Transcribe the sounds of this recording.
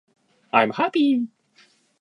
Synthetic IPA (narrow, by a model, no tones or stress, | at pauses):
ʔajmhapi